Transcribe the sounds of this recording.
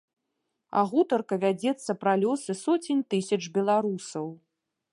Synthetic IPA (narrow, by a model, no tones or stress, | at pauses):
a̰ɣut̪ɐrkɐvʲad͡zʲɛt̪sːɐpɾalʲɔsɨsɔt͡sʲinʲt̪ɨsʲɐt͡ʂbʲɛlˠaɾusɐw